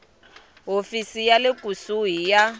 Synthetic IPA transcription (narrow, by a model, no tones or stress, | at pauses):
ɦofisijalekʼusuɦija